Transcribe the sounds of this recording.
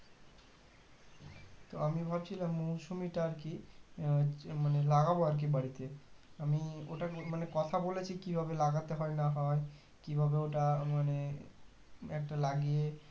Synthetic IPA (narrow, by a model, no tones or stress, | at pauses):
t̪oamibʱabt͡ɕʰilamːowsumiʈaɾki | manelaɡaboaɾk̬ibaɽit̪eamioʈamanekɔt̪ʰabolet͡ɕʰikibʱabelaɡat̪eɦɔenaɦɔe | kibʱabeoʈamane | ɛk̚ʈalaɡie